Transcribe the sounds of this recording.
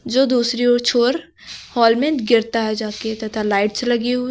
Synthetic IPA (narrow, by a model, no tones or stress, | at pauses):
d͡ʒoːd̪uːsɾiɔːɾt͡ʃʰoːɾ | hɔːlmẽɡɪɾt̪aɦɛd͡ʒaːket̪ɐt̪ʰalaːɪʈslɐɡiɦu